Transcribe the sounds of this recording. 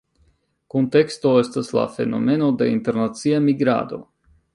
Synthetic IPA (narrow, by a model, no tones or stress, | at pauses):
kunt̪ɛkst̪ɔest̪aslˠa̰ːfḛnomenod̪aḭnt̪eɾnat̪siamiɡɾa̰ːd̪o̰